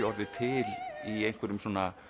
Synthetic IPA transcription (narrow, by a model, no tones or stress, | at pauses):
ɔɾðɪt̪ʰɪliejŋ̥kvɛɾʏmsoɔːna